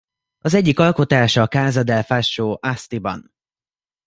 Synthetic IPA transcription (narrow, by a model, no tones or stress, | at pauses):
ɒzɛɟːikɒlko̞t̪aːʃɒkaːzɒd̪ɛlfaʃːoːʔast̪ibɒ̰n